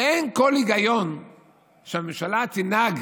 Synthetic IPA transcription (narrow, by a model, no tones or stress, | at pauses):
enko̞liɡajo̞n | ʃeamemʃalat͡sinaɡ